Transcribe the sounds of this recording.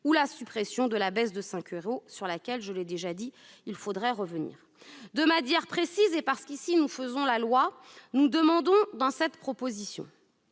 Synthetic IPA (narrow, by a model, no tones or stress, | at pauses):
ulasypχɛsjɔ̃d̪əlabɛsd̪əsɛ̃kʲyʁosyʁlakʲɛlʒəlɛd̪eʒad̪iilfod̪ʁɛʁəvənḭːʁ | d̪əmanjɛʁpχesizepaʁsə̥kisinufəzɔ̃lalwanud̪əmɑ̃d̪ɔ̃d̪ɑ̃sɛt̪pχɔpozisjɔ̰̃